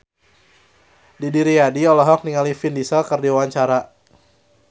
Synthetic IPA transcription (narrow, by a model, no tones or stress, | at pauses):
didiɾiadiɔlɔɦɔk̚niŋalifindisalkərdiwawaɲt͡ʃaɾa